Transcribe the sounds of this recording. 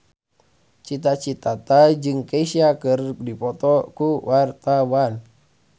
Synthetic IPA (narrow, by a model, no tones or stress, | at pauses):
t͡ʃit̪at͡ʃit̪at̪ad͡ʒɨŋkaisiakɨrdipɔt̪ɔkuwart̪awan